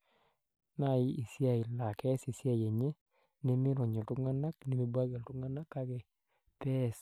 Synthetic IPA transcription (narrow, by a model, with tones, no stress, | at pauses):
na˦˨ɪ˦i˨sja˨i˨la˨kɛ˦si˨sja˦je˨ɲe˦ | nɛ˦mɪ˦ɾɔ˨ɲɔ˨ltu˦ŋa˦na˦kne˨mi˦bwa˦ɡɛ˨ltʊ˦ŋa˦na˦kːa˦ɡɛ˨ | pɛ˦s